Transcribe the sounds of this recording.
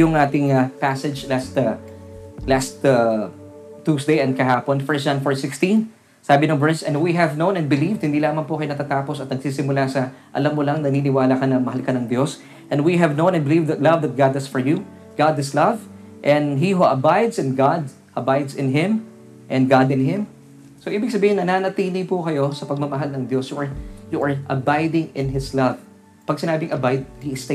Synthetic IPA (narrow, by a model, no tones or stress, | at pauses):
ʊŋʔaːt̪ɪŋapasɛd͡ʒlast̪ | last̪ | t̪ːusd̪ejɛnd̪̚kɐɦaːponfɛ˞sd͡ʒãnfoɹsɪkst̪ĩn | saːbɪnʊŋvɛɹsɛ̃nwiɦɛvnow̃nɛ̃nbɪlivd̪̚hɪnd̪iːlaːmɐnpʊkɐjonɐt̪aːt̪aːposɐt̪̚nɐɡsiːsɪmʊlasɐ | ʔɐ̰lamːolɐŋnɐniːnɪwaːlɐkɐnɐmɐhɐlkɐnɐŋd̪jos | ʔɛ̃nwiɦɛvnõw̃nɛnbɪlivd̪ɐt̪lɐvðɐt̪̚ɡad̪ɐsfɔɹju | ɡ̥ad̪ɪslɐv | ʔɛ̃nɦiɦuʔɐbajd̪sɛ̃nɡad̪ | ʔɐbajd̪sɪ̃nɦɪ̃m | ʔɛ̃n̚ɡad̪ɪ̃nɦɪ̃m | soʔiːbɪɡ̚sɐbiːhɪnːɐnanɐt̪iːlɪpʊkɐjo̞sɐpɐɡ̚mɐmɐɦalnɐŋd̪jo̞sjuʔɐɹjuʔɐɹʔɐbajd̪ɪ̃ŋɪ̃nhɪslɐv | pɐɡ̚sɪnaːbɪŋʔɐbajd̪̚hiɪs